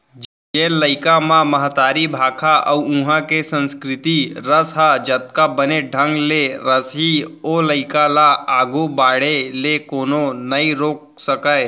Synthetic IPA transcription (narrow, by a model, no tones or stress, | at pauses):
d͡ʒ | d͡ʒeːləɪkamãməɦət̪aːɾibʱaːkʰaʔɐwũɦãkesə̃nskɾɪt̪iɾəsɦad͡ʒət̪kabəneɖʱə̃ŋɡleɾəsɦioːləɪkalaaːɡobaːɽelekoːnonəiɾoːk̚ | səkae